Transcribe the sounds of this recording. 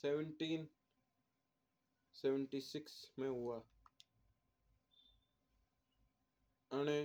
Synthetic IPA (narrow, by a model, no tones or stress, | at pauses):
seʋəɳʈiːn | seʋəɳʈiːsɪksmẽɦʊaː | əñe